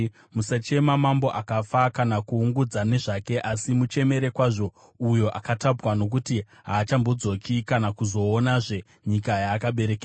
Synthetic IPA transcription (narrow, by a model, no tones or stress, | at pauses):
musat͡ʃe̞mamambo̞ʔakafakanakuːŋɡud͡zane̞ʐake̞ʔasimut͡ʃe̞me̞ɾe̞kwaʐo̞ | ujo̞ʔakatabwano̞k̬uti | ɦaːt͡ʃambo̞d͡zo̞kʰikanakuzo̞ːnaʐe̞ | ɲikajaːkaɓe̞ɾe̞ke